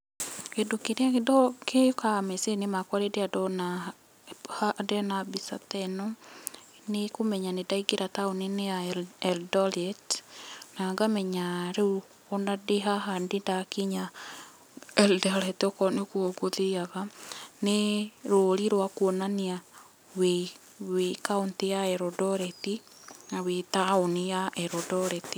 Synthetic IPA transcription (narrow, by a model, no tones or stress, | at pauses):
kedokeɾeakedɔkejokamɛsenemakwaɾedeadɔna | hadɛnabisa̰tɛnɔ | nekomɛɲanedaiɡeɾataonineaɛldɔlɛtnaŋɡamɛɲaɾeu | ɔnadeɦaɦandendakiɲa | ɛldɔɾɛtɔkɔnekuɔɡoðeaɣaneɾoːɾiɾwakuɔnania | we | wekauntejaɛɾɔdɔɾɛti | awetaonijaɛɾɔdɔɾɛti